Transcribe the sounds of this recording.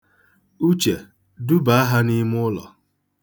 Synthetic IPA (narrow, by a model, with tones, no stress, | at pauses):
u˦t͡ʃe˨ | du˦ba˨a˦ɦa˦ni˦m˦ʊ˦lɔ̰˨